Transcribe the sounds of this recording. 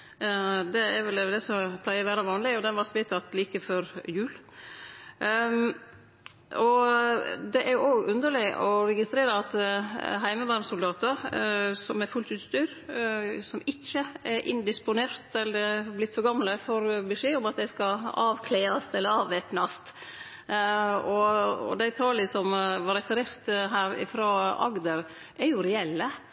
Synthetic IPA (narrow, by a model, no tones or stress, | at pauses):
d̪ɛɛɾʋɛld̪ɛsɔpʰlæɪəɾʋæːɾɑʋɑːnlɪɔd̪ɛnʋɑɾt̪ʋɪt̪ʰɑt̪ːliːkəfɔɾjʉːl | ɔ | d̪ɛʔæɾjʊʔoːɡʉnd̪əlɭɪɔ̰ɾɛɡɪst̪ɾeːɾəɑt̪ɦæɪməʋɑːɾmsʊld̪ɑːt̪əɾsɔmæɾfʉlt̪ʉːt̪st̪yːɾ | sɔmɪçːəɛɾʔɪ̰nd̪ɪspʊneːɾt̪ɛlːəɾɑblɪt̪fɔɾɡɑmləfɔɾbɛʂeːʊmɑt̪̚d̪æɪskɑɑːʋkʰleːɑst̪ɛlːəɾɑːʋʋɛp̪nɑst̪ | ɔɔ̰d̪æɪt̪ʰɑːləsɔmʋɑɾɛfəɾeɾt̪ɦæːɾɪ̰fɾɑːɑ̰ɡd̪əɾ | ʔæɾjʊɾɛɛlːə